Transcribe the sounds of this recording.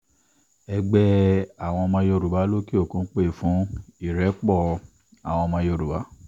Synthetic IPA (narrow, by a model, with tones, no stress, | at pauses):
ɛ˧ɡ͡bɛ˦a˨w̃ɔ̃˧mã˧jo˧˨ɾu˨ba˨˦lo˦ki˦o˦˨kũ˧˦k͡pe˦˨fũ˨˦i˦˨ɾɛ˨˦k͡pɔ˦˨ | a̰˨w̃ɔ̃˧mã˧jo˧˨ɾu˨ba˨˦